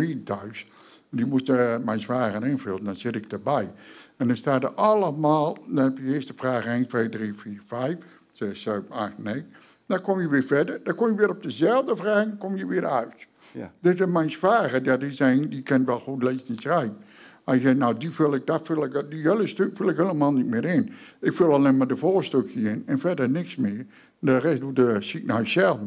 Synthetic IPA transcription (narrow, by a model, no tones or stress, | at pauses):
iːtœɥs | dimustmɛjnswaːɣənɪnfølˠən̩dɔnsɪtɪk̚dəbɛjɛndɔnstaːdəʔɑlˠəmaːlˠdɔnhɛpjəɪəstəfraːɣəentʋeːdriːfiːrfɛjf | sɛsøːbaxtnej | dɔkomjəʋɪəfɛdərdɔkomjəʋɪəɔp̚dəzɛlˠvdəfraːɣŋkomjəʋɪəɾœɥt | d̥ɪsɪmɛjnsfaːɣədɔtɪsɛjndikʰɪntʋɛlˠxutleːsɪnsrɛjb | aəsɛnawdifølˠɪk̚dafølˠɪkdiələstøkfylˠɪkheləmaːlˠnit̚mɪːɾɪnɪkfølˠalnɪmadəfoːstøkʰjəɪnɛnfɛdənɪksmɪər | dərɛsdudəsik̚najsɛlˠ